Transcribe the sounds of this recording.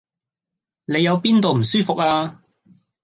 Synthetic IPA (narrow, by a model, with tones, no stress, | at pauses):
ne˨˧jːɐ˨˧wpiː˥nt̪o˨wm̩˨˩syː˥fʊ˨k̚aː˧